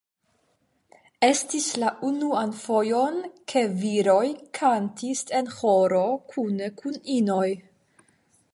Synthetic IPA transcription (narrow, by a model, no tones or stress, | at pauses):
e̞stislaʔunuanfo̞jo̞nkʰe̞viɾo̞jkʰantise̞nho̞ɾo̞kʰunekʰunino̞j